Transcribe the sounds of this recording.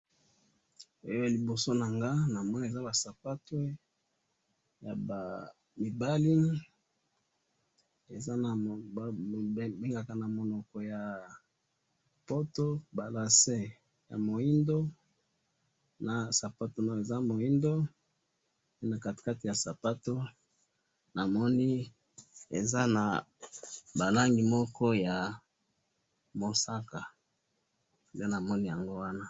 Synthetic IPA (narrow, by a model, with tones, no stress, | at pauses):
o˦jo˦ja˨li˨bo˨so˦na˨ŋɡa˦na˨mɔ˦na˨e˨za˦ba˨sa˨pa˦twe˦ | ja̰˨ba˨ | mi˨ba˦li˦ | e˨za˦na˨˦ | be˦ŋɡa˨ka˨na˨mo˨nɔ˨kɔ˨ja˨ | po˦to˦ba˨la˨se˦ | ja̰˨mo˨i˦ndo˦ | na˨sa˨pa˦to˨na˦˨e˨za˦mo˨i˦ndo˦ | pe˦na˨ka˨ti̥˨ka˦ti˨ja˨sa˨pa˦to˦ | na˨mɔ˦ni˦ | e˨za˦na˨ | ba˨la˦ŋɡi˨mɔ˦kɔ˦ja˨ | mo˨sa˦ka˨ | de˦na˨mɔ˦ni˦ja˨ŋɡo˦wa˦na˦